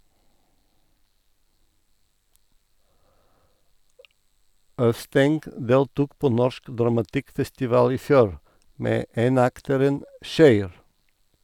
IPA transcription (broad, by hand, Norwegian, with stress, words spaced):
ˈœʋˌstɛŋɡ ˈdeːltuːk ˈpoː ˈnɔʃk dɾɑmɑˈtɪkfɛstɪˌʋɑːl ˈiː ˈfjuːɾ ˈmeː ˈeːnɑktəɾən ˈçœʏɾ